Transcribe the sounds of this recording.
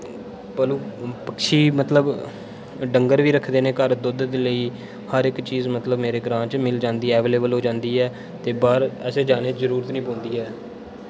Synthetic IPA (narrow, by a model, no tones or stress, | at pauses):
pəluːpəkʃʰiːmət̪ləb | ɖəŋɡəɾʋiːɾəkʰd̪eːneːkəɾd̪ʊd̪d̪eːləiː | həɾɪkt͡ʃiːzmət̪ləbmeːɾeːɡɾãːt͡ʃmɪld͡ʒãːnd̪iːɛːʋeːleːbəlɦoːd͡ʒãːnd̪iːɛː | t̪eːbaːɾɛːseːd͡ʒaːneːzəɾuːɾət̪nĩːpõːnd̪iːɛː